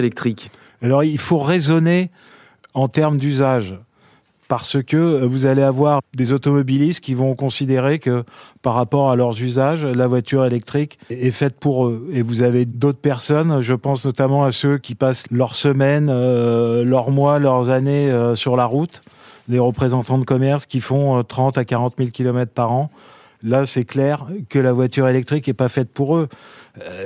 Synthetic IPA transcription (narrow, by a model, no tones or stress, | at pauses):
lɛk̚t̪χik | alɔʁilfoʁezɔne | ɑ̃t̪ɛʁmd̪yzaʒ | paʁsəkəvuzaleavwaʁd̪ezot̪ɔmɔbilist̪̚kʲivɔ̃kɔ̃sid̪eʁekəpaʁːapɔʁalœʁzyzaʒlavwat̪yʁelɛk̚t̪χikʲɛfɛt̪̚puʁøevuzaved̪ot̪χpɛʁsɔnʒəpɑ̃snɔt̪amɑ̃asøkʲipaslœʁsəmɛn | lœʁmwalœʁzaneøsyʁlaʁut̪leʁəpχezɑ̃t̪ɑ̃d̪əkɔmɛʁskʲifɔ̃t̪χɑ̃t̪akaʁɑ̃t̪milkʲilɔmɛt̪χpaʁɑ̃ | lasɛklɛʁkəlavwat̪yʁelɛk̚t̪χikɛpafɛt̪̚puʁø